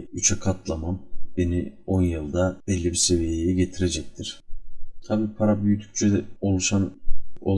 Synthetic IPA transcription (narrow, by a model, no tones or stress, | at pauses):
yt͡ʃʰɛkʰat̪ʰlˠamamb̥e̞nio̞njɯlˠd̪ab̥ɛlʲːibise̞vijejɛɟe̞t̪ʰiɾe̞d͡ʒɛc̚t̪ʰiɾ̥t̪ʰabiːpʰaɾabyjyt̪ʰy̥c̚ʲt͡ʃʰɛd̪ɛo̞lˠuʃano̰